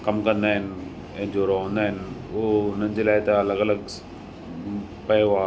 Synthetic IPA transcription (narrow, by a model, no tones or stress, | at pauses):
kɐmkɐ̃nd̪aːɦɪnɪ̆ | ɛ̃ːd͡ʑoːɾoɦõːnd̪aːɦɪnɪ̆ʊɦoʊn̤ənɪ̆d͡ʑeːlaːɪt̪ɐɐləɡɐləɡ | pɐjaː